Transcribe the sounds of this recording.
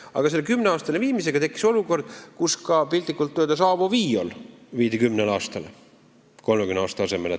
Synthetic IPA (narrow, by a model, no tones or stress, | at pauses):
ɑ̰ɡ̥ɑse̞lːekymːneɑːst̪ɑleviːmis̬eɡ̥ɑt̪e̞kːˑi̥so̞luko̞rd̪̥̚kuskɑpilʲt̪ːˑikːˑult̪ːød̪ɑs̬ɑːvoviːo̰lviːd̪ikymnelɑːst̪ɑl | ko̞lmeɡymneɑːst̪ɑɑse̞mele